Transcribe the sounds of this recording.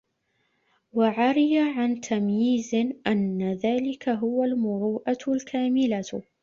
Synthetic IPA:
waʕaɾɪjaʕant̪ʰamjiːzɪʔanːaðaːlɪkʰaɦʊwalmʊɾuːʔalkʰaːmɪla

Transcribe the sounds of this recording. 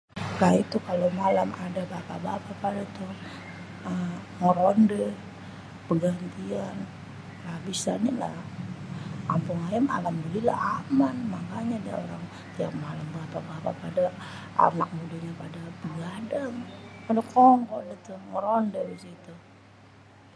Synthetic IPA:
kait̪ukalomalamadabapa̰bapapadat̪u | ə | ŋəɾondə | pəɡant̪ian | labisanala̰ | a̰mpuŋajama̰lamdulila̰amanmakaɲada̰o̰ɾaŋ | t̪iakmalambapabapa̰pada | a̰nak̚mudaɲapadabəɡadaŋadakɔŋkɔdat̪uŋəɾondəbisit̪u

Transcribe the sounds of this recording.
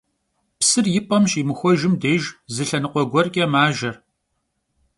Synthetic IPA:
psɨrjɪpʼɐmɕimɨxʷɔʒɪmdeːʒzɨɬɐnɨqʷɔɡʷɔrkʼɐmaːʒɐr

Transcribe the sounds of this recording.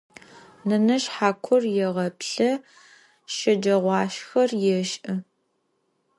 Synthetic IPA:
nɐnɐʃħaːkʷʰʊrjɛʁɐpɬɐ | ʃɐd͡ʒɐʁʷɑːʃxɐrjɛʃʔɐ

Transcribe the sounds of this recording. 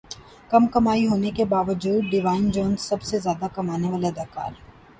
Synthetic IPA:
kɐmkɐmaːiɦoːnekebaːʋəd͡ʒuːd̪̚ɖɪʋaːɪnd͡ʒɔ̃ːnsɐbsezjaːd̪akɐmaːneʋaːlad̪ɐka̰ːl

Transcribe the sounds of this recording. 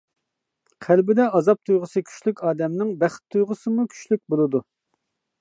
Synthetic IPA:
qʰælbɪd̪ɛɑzɑp̚t̪ʰujʁəsɨkʲʰy̥ʃlykʲɑːd̪ɛmnɪŋbæχt̪ʰːujʁəsɨmukʲʰy̥ʃlyk̚ʲbolˠɨd̪u

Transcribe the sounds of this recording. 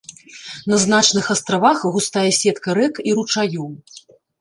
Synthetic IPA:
nɐznat͡ʂnɨxɐst̪ɾavaxɣust̪ajɛsʲɛt̪kɐɾɛkiɾut͡ʂaju

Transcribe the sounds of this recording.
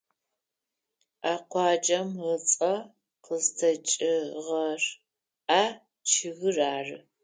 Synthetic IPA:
aːqʷɑːd͡ʒɐmʁət͡sʼɐ | qəztʰɐt͡ʃʼɪʁɐr | aː | t͡ʃʰɪɣɨraːrɨ

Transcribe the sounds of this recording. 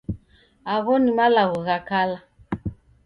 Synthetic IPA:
aɣɔnimalaɣɔɣakala

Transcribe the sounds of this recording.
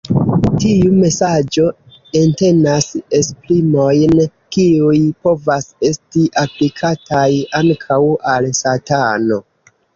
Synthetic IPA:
tiume̞sad͡ʒo̞ | e̞nte̞nase̞splimo̞jn | kiujpo̞vase̞stiʔaplikʰatajaŋkʰawalsatano̞

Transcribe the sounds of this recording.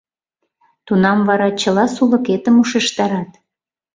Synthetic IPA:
t̪unɑmvɑɾɑt͡ɕəlɑsulə̆ket̪əmuʃeʃt̪ɑɾɑt̪

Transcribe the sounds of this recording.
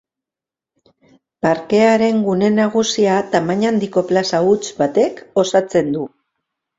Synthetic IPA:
paɾke̞aɾe̞ŋɡune̞naɣ̞usiat̪amaɲand̪iko̞plasaut͡sbat̪e̞ko̞sat͡se̞nd̪u

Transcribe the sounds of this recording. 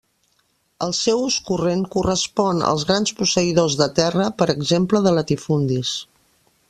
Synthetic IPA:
əlˠsɛwuskurenkurəspɔnə̰lˠzɣɾanspusəiðozðət̪ɛrəpəɾəɡzempləðələt̪ifund̪is

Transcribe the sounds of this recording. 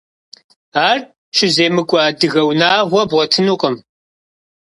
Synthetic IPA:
aːr | ʃɪzeːmɨkʷʼaːdɨɣɐwnaːʁʷɔbʁɔtʰɨnuːqʼəm

